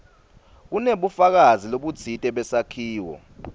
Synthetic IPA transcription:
k̬uneɓufak̬aziloɓu̥t͡sʰitʼɛɓɛsakʰiːwɔ̰

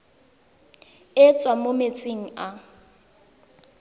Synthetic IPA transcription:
ɪt͡sʼwamomet͡sʼeŋ̩a

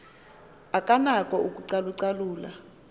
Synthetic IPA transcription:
akʼanakʼɔuk̬ʼuǀaluǀaluːla̰

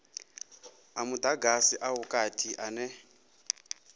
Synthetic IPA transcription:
amud̪aɡasiʔaɦukʼatʰiʔanɛ

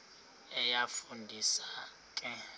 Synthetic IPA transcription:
ɛjafundʱisa | kʼɛ

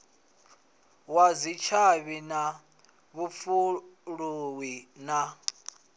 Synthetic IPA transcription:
wazit͡ʃʰaβina | βufuɺuwina

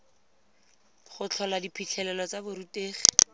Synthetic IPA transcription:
χʊt͡ɬʰɔladipʰit͡ɬʰɛlɛlɔt͡sabʊɾuteːχi̥

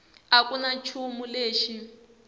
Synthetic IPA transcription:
akʼunat͡ʃʰumuleːʃi

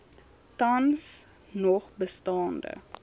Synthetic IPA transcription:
tɐns | nɔχbəstɑːndə̰

